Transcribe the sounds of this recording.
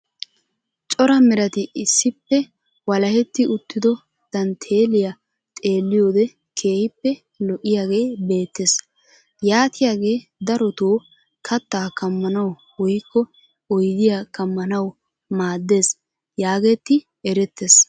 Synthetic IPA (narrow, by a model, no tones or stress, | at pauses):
t͡ʃʼɔɾɐmɪɾɐt̪ɪɪsːɪpːɛ | wɐlɐhɛt̪ːɪʊt̪ːɪd̪ɔ | t̪ɐnt̪ʰe̞ːlɪja | t̪ʼe̞ːlːɪjo̞ːd̪ɛ | kʰe̞ːhɪpːɛ | lɔʔɪjaːɡe̞ːbe̞ːt̪ːeːs | jaːt̪ɪjaːɡe̞ːd̪ɐɾɔt̪oː | kʰɐt̪ːaːkɐmːɐnɐw | wɔjkːɔ | ɔjd̪ɪjakɐmːɐnɐw | maːd̪ːe̞ːs | jaːɡe̞ːt̪ːɪ | ɛɾɛt̪ːeːs